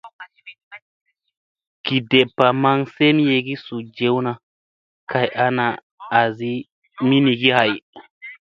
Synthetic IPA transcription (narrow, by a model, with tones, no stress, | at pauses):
ki˨de˨pːa˨ma˧ŋse˦mi˦je˧ɡi˦su˨d͡ʒe˨˦wna˨ | ka˨jʔa˦naː˨ | zi˦ | mi˦ni˨ɡi˦ha˨j